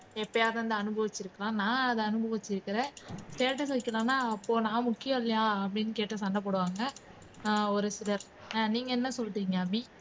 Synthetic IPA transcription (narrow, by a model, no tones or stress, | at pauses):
ɛpːɐjaːðɐɐnd̪ɯɐnɯbɐʋɪt͡ʃːɪɾɯkːɐlãːnãːɐðɛɐnɯbɐʋɪt͡ʃːɪɾɯkːɪɾẽːsʈeːʈːɐsɐɪkːɐlãːnːaːɐpːoːnãːmʊkːɪjɐ̃ɪlːɐjaːɐpːɐɽɪnːɯkeːʈːɐsɐɳɖɐp̬ːɔɽɯʋaːŋɡɐ | ɔɾɯsɪɽɐɾ | niːŋɡɐɛnːɐsɔlʈ̪ːiːŋɡɐɐbi